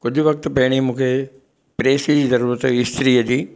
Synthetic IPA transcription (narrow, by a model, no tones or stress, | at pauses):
kʊd͡ʑʱʊʋɐk̚t̪pɐɦɽ̃imũːkʰe | pɾeːsid͡ʑiːzɐɾuːɾət̪ɪst̪ɾiːəd͡ʑiː